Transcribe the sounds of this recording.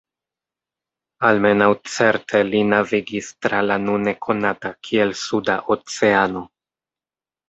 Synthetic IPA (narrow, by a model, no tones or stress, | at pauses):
alme̞nawt͡se̞ɾtʰe̞linaviɡistɾalanune̞kʰo̞natakʰie̞lsudaʔot͡se̞ano̞